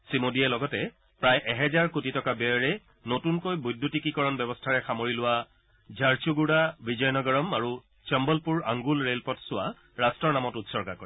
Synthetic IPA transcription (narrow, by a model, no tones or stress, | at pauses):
simodiɛlɔɡɔtɛ | pɹajʔɛɦɛzaɹkutitɔkabɛɔɹɛ | notunkojbujdʱːutikikɔɹɔnbɛbɔstʰaɹɛxamoɹilʊwa | zʱaɹt͡ʃuɡuɽabizɔjnɔɡɔɹɔmaɹu | t͡ʃɛmbɔlpuɹaŋɡulɹelpɔtsʊa | ɹastɹɔɹnamɔtutsɔɹkakɔɹɛ